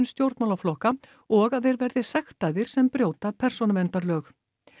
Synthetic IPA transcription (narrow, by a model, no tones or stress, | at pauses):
nst̪jowɾt̪mawlaflɔhka | ɔɣaðθejɾvɛɾðɪsɛxt̪ajðɪɾ̥sɛmpɾjowt̪apʰɛr̥sɔnavɛnt̪aɾlœːx